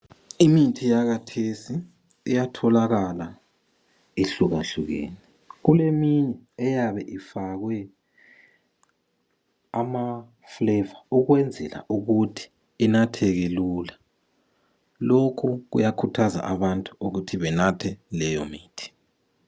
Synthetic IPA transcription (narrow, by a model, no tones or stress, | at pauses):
imitʰijaɣatʰesi | ḭjatʰɔlaɣala | eɬuɣa̰ɬuɣḛːni | ɣulemiɲɛːjaβɛʔifaɣwɛ | ama | flɛvauɣwɛnd͡zʱɛ̰la̰ʔuɣutʰi̥ | inatʰɛɣɛlula | lokʰuɣṵjakʰutʰaza̰ʔaβantʼuuɣutʰiβɛnatʰɛlɛjɔmiːtʰi̥